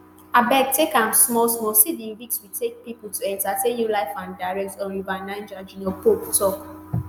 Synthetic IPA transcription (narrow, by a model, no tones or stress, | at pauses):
abɛk̚tekãmsmɔlsmɔsidĩvik̚switek̚pipltʰuɛ̃ntatẽnjulaɪfãndaɪɹɛk̚tɔ̃nuvanãɪ̃nd͡ʒad͡ʒinɛpoktʰɔk